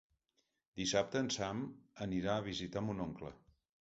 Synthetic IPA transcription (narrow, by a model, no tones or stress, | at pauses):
d̪isap̚t̪əːnsaməniɾaəβ̞izit̪amunoŋklə̰